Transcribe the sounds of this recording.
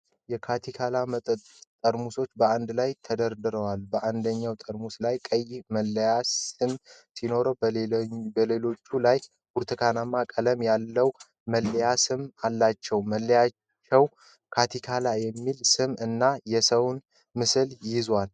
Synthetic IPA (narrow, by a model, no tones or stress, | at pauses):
jɛkʰat̪ʰikʰalamət̪ʼət̪ʼ | t̪ʼːəɾmuso̞t͡ʃːbəand̪lajt̪ʰəd̪əɾd̪ɨɾəwalbəʔand̪əɲːawt̪ʼəɾmuslajkʼəjməlːjasɨmsino̞ɾəwbbəle̞lo̞t͡ʃːulaj | buɾt̪ʰɨkʰanamːakʼələmjalːəw | məlːjasɨmalːat͡ʃːɛwməlːja | t͡ʃːɛw | kʰat̪ʰikʰalajɛmːilsɨmɨnːajɛsəwn | mɨsɨljɪzwal